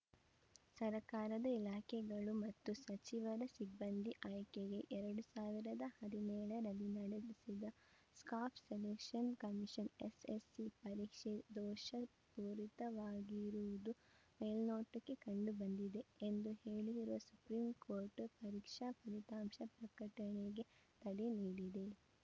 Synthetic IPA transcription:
sɐɾkaːɾɐd̪ɐilaːkʰɛɡɐɭumɐt̪ːusɐt͡ʃiʋɐɾɐsibːɐnd̪ʱiʔɐjkeɡe̞ʔɛɾɐɽusaːʋiɾɐd̪ɐhɐd̪inɛːɭɐɾɐlinɐɽed̪isid̪ɐ | skaːpʰselekʂɐnkɐmiʃɐnḛsesipɐɾiːkʂed̪ɔːʃɐ | puːɾit̪ɐʋaːɡiɾuʋud̪u | meːlnoːʈːɐkːekɐɳɖubɐnd̪id̪e̞end̪uheːɭid̪iɾuʋɐsu̥pɾiːmkoːɾʈpɐɾiːkʂɐpɐɾit̪aːmʃɐpɾɐkɐʈɐɳeɡe̞t̪ɐɽeniːɽid̪e̞

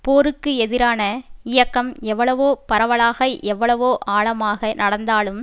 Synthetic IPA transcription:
poːɾɯkːɯɛðɪɾaːnɐɪjɐkːɐmɛʋːɐɭɐʋoːpɐɾɐʋɐɭaːɣɐɪʔɛʋːɐɭɐʋoːʔaːɭɐmaːɣɐnɐɽɐnd̪aːɭɯm

